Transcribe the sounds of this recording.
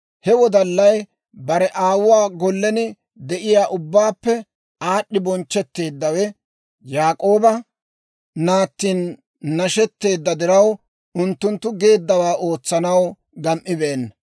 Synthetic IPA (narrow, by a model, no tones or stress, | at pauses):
hɛwɔd̪ɐlːɐj | bɐɾɛʔaːwʊwaːɡɔlːɛnɪ | d̪ɛʔɪjaːʔʊbːaːpːɛ | aːɗːɪbɔnt͡ʃːɛt̪ːe̞ːd̪ːɐwɛ | jaːkʼoːbɐ | naːt̪ːiːnː | ɐʃɛt̪ːe̞ːd̪ːɐd̪ɪɾɐw | ʊnt̪ːʊnt̪ːʊɡe̞ːd̪ːɐwaːʔo̞ːt͡sːɐnɐw | ɡɐmʔɪbeːnːɐ